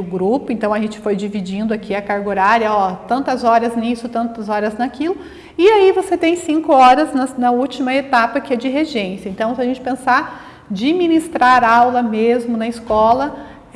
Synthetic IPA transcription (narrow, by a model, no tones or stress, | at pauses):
ʊɡɾupʊẽnt̪ɐ̃w̃ɐʒẽt͡ʃɪ̥fojd͡ʒivid͡ʒĩnd̪ʊakʰiɐkaɾɡoɾaɾjɐɔt̪ɐ̃nt̪ɐzɔɾɐznisʊt̪ɐ̃nt̪ɐzɔɾɐznɐkilʊ | ɪaivoset̪ẽj̃sĩŋkʊɔɾɐznɐnɐut͡ʃimɐet̪apɐkɪɛd͡ʒɪɦeʒẽsɐẽnt̪ɐ̃w̃sɪaɐʒẽnt͡ʃɪ̥pẽsa | d͡ʒɪminist̪ɾaɾawlɐmezmʊnɐɪskɔlɐ